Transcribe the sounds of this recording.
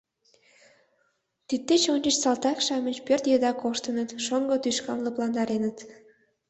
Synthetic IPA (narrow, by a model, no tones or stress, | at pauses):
t̪it̪̚ːet͡ɕonʲt͡ʃet͡ɕsɑlt̪ɑkʃɑmə̆npørt̪jed̪ɑkoʃt̪ənət̪ʃoŋɡot̪yʃkɑnlə̆plɑnd̪ɑɾenət̪